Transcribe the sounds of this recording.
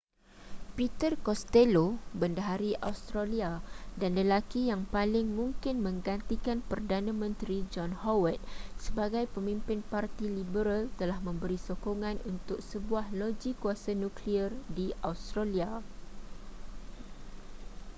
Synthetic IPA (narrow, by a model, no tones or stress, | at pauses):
pit̪ərkɔst̪elobəndəɦaɾiʔawst̪ɾaliadanləlakijaŋpalɪŋmũŋkɪnmə̃ŋɡant̪ikanpərdanãmə̃nt̪ɾid͡ʒɔnhawət̪̚səbaɡajpəmĩmpɪnpart̪ilibəɾalt̪əlahmə̃mbəɾisokoŋãnʔunt̪ʊk̚səbuahlod͡ʒikuasanũkliərdiawst̪ɾalia